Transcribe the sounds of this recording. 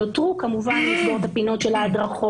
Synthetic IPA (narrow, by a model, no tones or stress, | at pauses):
ot̪ʁukamuvanliʃnot̪hapino̞tʃelaːd̪ʁaχo